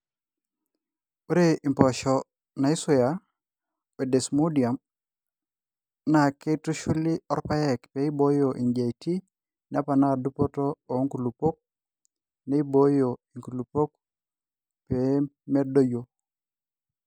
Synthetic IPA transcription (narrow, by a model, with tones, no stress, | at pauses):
u˦ɾe˦i˨mpo˨ʃo˨ | na˨i˦su˦ja˨ | we˨de˨smu˦di˨a˨m | na˨ke˦tu˦ʃu˦li˦ɔ˦ɾpa˦je˦˨kpe˦i˦bo˦jo˨ʔi˨ɲd͡ʒe˨iti˦ | na˦pa˨na˦du˦po˦to˦o˨˦ŋku˨lu˨po˦k̚ | ne˦i˦bo˦jo˨i˨ŋku˨lu˨po˦k̚ | pe˨˦me˦do˦jo˨